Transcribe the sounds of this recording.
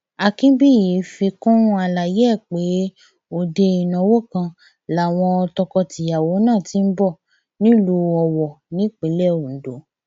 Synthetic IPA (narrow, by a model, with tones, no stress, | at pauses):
a˨˧kĩ˦bi˦˨ji˨˦fi˧kũ˦a˧la˨jɛ˦˨k͡pe˨˦ | o˧˨de˧i˨nɔ̃˨˧˦wo˦kã˧ | la˨˦˨w̃ɔ̃˧ɔ˧tɔ˧kɔ˧ti˨ja˨wo˨˦nãː˦˨ti˨˦m̩˦bɔ˦˨ | nĩ˦lu˧˦ɔ˧wɔ˨nĩ˨˦k͡pe˨˦lɛ˦˨o˨n̩˨do˨˦